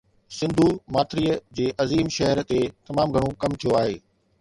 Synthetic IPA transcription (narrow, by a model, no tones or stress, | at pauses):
sɪ̃nd̪ʱumaːt̪ɾiːəd͡ʑeːʔɐziːmʃɐɦəɾt̪et̪ɐmaːmɡʱɐɽ̃õkɐmt̪ʰijoaːɦeː